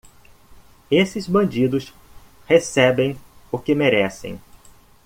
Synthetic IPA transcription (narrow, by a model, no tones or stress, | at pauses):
esɪzbɐ̃nd͡ʒid̪ʊs | hesɛbẽj̃ʊkɪmeɾɛsḛ̃j̃